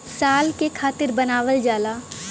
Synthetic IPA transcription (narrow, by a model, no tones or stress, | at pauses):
saːlkekʰaːt̪ɪɾbɐnaːʋəld͡ʒaːlaː